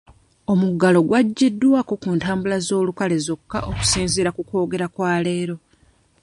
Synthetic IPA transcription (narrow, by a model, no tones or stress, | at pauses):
o̞muɡalo̞ɡwaɟːidːwaːko̞kuːntaːmbulazo̞ːlukale̞zo̞kːaʔoku̥siːnziɾakuko̞ːɡe̞ɾakwaːle̞ːɾo̞